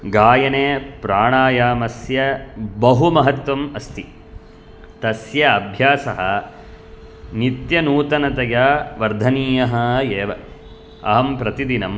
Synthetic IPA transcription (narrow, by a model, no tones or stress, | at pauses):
ɡaːjɐneːpɾaːɳaːjaːmɐsjɐbɐɦumɐɦɐt̪ʋɐmɐst̪ʰi | t̪ɐsjɐɐbʱjaːsɐɦɐ̆ | nit̪jɐnuːt̪ɐnɐt̪ɐjaːʋɐɾd̪ʱɐniːjɐɦɐjeːʋɐ | ɐ̰ɦɐmpɾɐt̪id̪inɐm